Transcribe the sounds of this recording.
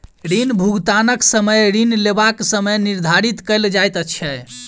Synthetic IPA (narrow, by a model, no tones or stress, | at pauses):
ɾinbʱuɡt̪anəksəməjɾinlebaksəməjniɾd̪ʱaɾit̪kəjld͡ʒajt̪ət͡ʃʰɛj